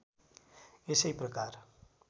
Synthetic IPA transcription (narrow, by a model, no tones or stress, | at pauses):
esejprʌkar